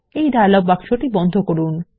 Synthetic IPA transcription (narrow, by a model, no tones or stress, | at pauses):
ejd̪alɔb̚bakʃoʈibɔnd̪ʱokoɾun